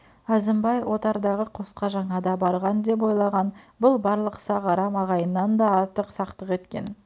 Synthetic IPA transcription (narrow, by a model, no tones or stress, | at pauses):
æzɪmbɑjwo̞t̪ɑɾd̪ɑʁəqʰo̞sqɑʒɑɴɑd̪ɑbɑɾʁɑnd̪e̞p̬o̞jlˠɑʁɑnbʊlˠbɑɾlˠəqsɑʁɑɾɑmɑʁɑjənːɑnd̪ɑɑɾt̪əqsɑqt̪əqe̞t̪kʲe̞̰n